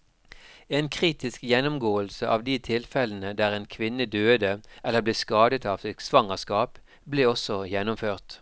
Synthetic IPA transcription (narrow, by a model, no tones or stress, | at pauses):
eːnkʰʁiːt̪ɪskjɛnʊmɡoːəlsəʔɑːʋd̪iːt̪ʰɪlfɛln̩əd̪æːʁeːnkʰʋɪnəd̪øːd̪əʔɛlːəbleːskɑːd̪ət̪ɑːʋsɪksʋɑŋəskɑːp | bleːɔsɔjɛnːʊmføːʁt̪